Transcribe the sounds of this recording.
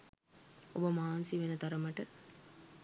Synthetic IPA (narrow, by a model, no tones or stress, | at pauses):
o̰bɐmaːnsiʋenɐt̪ɐɾɐmɐʈɨ